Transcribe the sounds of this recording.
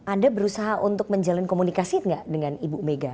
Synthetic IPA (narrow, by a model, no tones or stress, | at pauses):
ʔandabəɾusaɦaʔunt̪ʊk̚məɲd͡ʒalankomunikasiŋɡaʔdəŋanibumeɡa